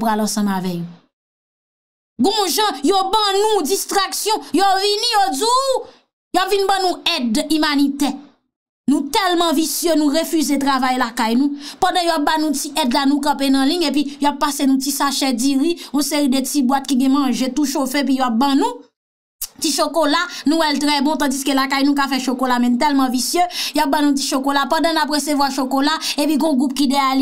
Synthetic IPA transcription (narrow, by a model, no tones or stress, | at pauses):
pʁalɐ̃sɐ̃mavɛko | ɡũʒɐ̃jobʌ̃nũd͡zist̪ʁaksjɔ̃jovinĩjodu | jowapvinbãnũɛdymanit̪ɛ | nũt̪ɛlmɐ̃visjønũʁefyzet̪ʁavajlakajnũpɐ̃d̪ãjowap̚banũtiʔɛdlanũkɐ̃penɐ̃lĩmep̬ijowapːasenũtisaʃɛd͡ziɣiũseɣidətibwat̪̚kiɡɛ̃mʌ̃ʒet̪uʃofeep̬ijowap̚bãnũ | t͡siʃokolanũwɛlt̪ʁɛbɔ̃t̪ãd͡ziskølakajnũk̬afɛʃokolamɛ̃nũt̪̬ɛlmɐ̃visjøjowap̚bãnũt͡si̥ʃokolapɐ̃dãnap̬ɣesevwaʃokolaepiɡɔ̃ɡʁup̚kideali